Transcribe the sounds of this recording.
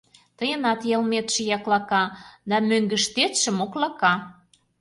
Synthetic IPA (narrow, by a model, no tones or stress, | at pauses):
t̪əjə̆nɑt̪jɑlmet̪ʃĕjɑklɑkɑd̪ɑmøŋɡə̆ʃt̪et̪ʃə̆moklɑkɑ